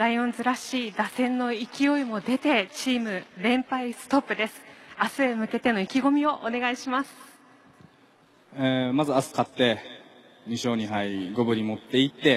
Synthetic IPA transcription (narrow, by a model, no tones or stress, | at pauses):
ɾaiõ̞nzɨɾaɕiːd̪asẽ̞nːo̞ikʲio̞imo̞d̪e̞t̪e̞t͡ɕiːmɯ̟ɾẽ̞mpaisɨ̥t̪o̞pːɯ̟d̪e̞sɨ̥asɨemɯ̟ke̞t̪e̞no̞ikʲiɡo̞mʲio̞ʔone̞ɡaiɕimasɨ̥ | emazɨasɨ̥kat̪ːe̞ | ɲ̟iɕo̞ːɲ̟iɦaiɡo̞bɯ̟ɾʲimo̞t̪ːe̞it̪ːe̞